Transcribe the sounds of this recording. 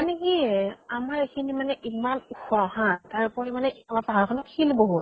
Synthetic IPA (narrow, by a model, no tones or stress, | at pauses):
anikiamaɹekʰinimanɛʔimanuxɔaɦãtaɹpɔɹimanɛʔialapalkʰɔnɔkxʰilboɦut